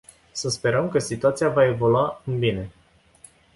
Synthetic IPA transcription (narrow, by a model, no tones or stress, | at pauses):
səspe̞ɾəmkəsit̪uat̪sijavae̞vo̞luaɨnbine̞